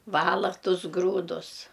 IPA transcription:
ˈʋɑːlˠɐ ˈtʊs ˈɡruːdʊs

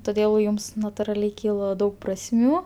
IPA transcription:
toːˈdʲeːlˠ ˈjʊms nɐtʊrɐˈlʲɛɪ ˈkʲiːlˠoː ˈdɐʊk prɐsʲˈmʲuː

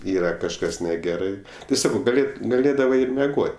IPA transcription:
ˈiːrɐ kɐʃˈkɐs nʲɛˈɡʲæːrɐɪ tʲɪ ˈsɑːkɐʊ ɡɐˈlʲeːt ɡɐˈlʲeːdɐʋɐɪ ɪr mʲɛˈɡoːtʲ

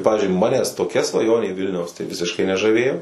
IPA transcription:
ˈpɑːʋʲɪzʲd͡ʒʲʊɪ ˈmɑːnʲɛs toːˈkʲɛ sʋɐˈjoːnʲeː ˈʋʲɪlʲnʲɛʊs tɐɪ ˈʋʲɪsʲɪʃkɐɪ nʲɛʒɐˈʋʲeːjoː

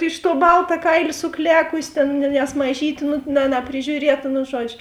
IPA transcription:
ɪʃ tuɔ ˈbɐlˠtɐ ˈkɐɪlʲeː sʊˈklʲæːkʊsʲɪ ˈtʲeːn nʲɛ nʲɛs mɐˈʒʲiːtʲeː nʊ nɐ nɐpʲrʲɪˈʒʲuːrʲiɛtɐ nʊ ˈʒuɔd͡ʒʲʊ

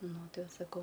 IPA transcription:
ˈnʊ ˈtɐɪ ˈʋɐ sɐˈkɐʊ

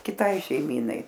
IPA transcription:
kʲɪˈtɐɪ ʃʲɛɪˈmʲiːnɐɪ

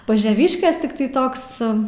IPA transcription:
pɐʒʲɛˈʋʲɪʃʲkʲeːs ˈtʲɪktɐɪ ˈtoːks

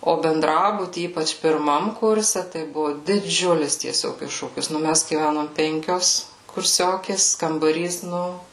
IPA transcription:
oː bʲɛnˈdrɑːbʊtʲiː ˈiːpɐt͡ʃ pʲɪrˈmɐm ˈkʊrʲsʲɛ tɐɪ ˈbʊʋʊ dʲɪˈd͡ʒʲʊlʲɪs tʲiɛˈsʲoːk ˈɪʃʃuːkʲɪs nʊ ˈmʲæs ɡʲiːˈʋʲænoːm ˈpʲɛŋʲkʲoːs kʊrʲˈsʲoːkʲeːs kɐmbɐˈrʲiːs ˈnʊ

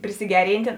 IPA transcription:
pʲrʲɪsʲɪˈɡʲæːrʲiːnʲtʲeː

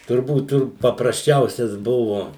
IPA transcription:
tʊrˈbuːt ˈtʊr pɐprɐsʲˈt͡ʃʲɛʊsʲɛs ˈbʊʋʊ

